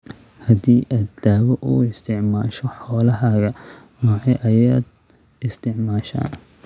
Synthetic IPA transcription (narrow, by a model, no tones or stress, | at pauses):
hɐd̪iːʔɐd̪d̪aːwɔʔuːɪst̪ʰɪʕmaːʃɔħɔːlɐɦaɣɐmɐʕɛʔɐjaːd̪ɪst̪ʰɪʕmaːʃa̰ːn